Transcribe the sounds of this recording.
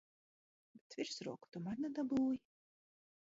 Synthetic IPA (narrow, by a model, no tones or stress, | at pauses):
bʲet̪vʲiɾsɾuɔku̥t̪umanad̪abuːj